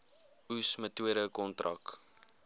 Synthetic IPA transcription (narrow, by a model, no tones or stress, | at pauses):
usmətuəɾəkɔntrʔɐ̰k